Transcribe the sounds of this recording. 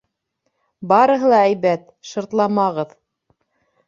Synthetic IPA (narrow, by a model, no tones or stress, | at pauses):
bɑɾɤ̆ɦɤlˠɑæjβæt̪ | ʃŏɾt̪lˠɑmɑʁɤð